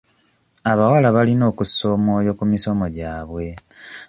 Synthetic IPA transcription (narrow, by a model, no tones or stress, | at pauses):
aβawalaβalino̞ːkuso̞mo̞ːjo̞kumiso̞mo̞ɟaːβwe̞